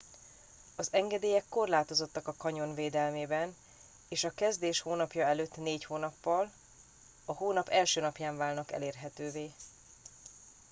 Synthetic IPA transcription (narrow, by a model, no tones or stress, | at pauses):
ɒzɛŋɡɛd̪eːjɛkːo̞rlaːt̪o̞zo̞t̪ːɒkɒkɒɲo̞nveːd̪ɛlmeːbɛn | eːʃɒkɛzd̪eːʃhoːnɒpjɒɛløːt̪ːneːchoːnɒpːɒl | ɒɦoːnɒpɛlʃøːnɒpjaːɱvaːlnɒkɛ̰leːrɦɛt̪øːveː